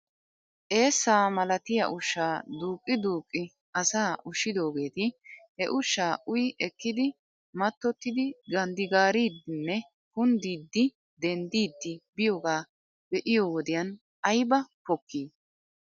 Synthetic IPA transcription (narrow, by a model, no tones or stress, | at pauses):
ʔe̞ːsːaːmɐlɐt̪ɪjɐ̰ʔʊʃːaːd̪uːkʼːɪd̪uːkʼːɪ | ʔɐsaːʊʃːɪd̪o̞ːɡe̞ːt̪ɪhɛʔʊʃːaːʔʊjʔɛkːɪd̪ɪ | mɐt̪ːɔt̪ːɪd̪ɪɡɐnd̪ɪɡaːɾiːd̪ɪnːɛ | kʊnd̪iːd̪ːɪ | d̪ɛnd̪iːd̪ːɪbɪjoːɡaː | bɛʔɪjoːwɔd̪ɪjɐn | ʔɐjbɐpɔkʰːiː